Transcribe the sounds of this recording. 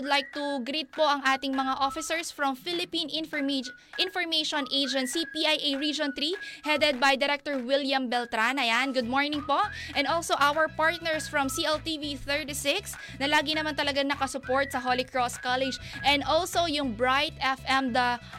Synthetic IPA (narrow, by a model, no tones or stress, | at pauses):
d̪lajk̚t̪uɡɾit̪̚po̞ʔɐŋʔaːt̪ɪŋmɐŋaʔofɪsɛɹsfɹɐmfɪlɪpĩn | ʔɪ̃nfɔɹmejʃɔ̃nʔejd͡ʒɛ̃nt̪sipiʔajʔejɹid͡ʒõnt̪ɾihɛd̪ɛd̪̚bɐjd̪ɛɾɛk̚t̪ɔɹwɪljɐmbɛlt̪ɾanɐjanɡʊd̪̚moɹnɪŋpoʔʔɛ̃nolsowʔawɛɹpaɹt̪̚nɛɹsfɹɔmsiʔɛlt̪iviθɛɹt̪isɪks | nɐlaːɡinɐmant̪ɐlɐɡaŋnɐkɐsʊpoɹt̪̚sɐɦolɪkɹɔskalɛd͡ʒʔɛ̃nd̪ʔolsojʊŋbɹajt̪ɛfɛmd̪ɐ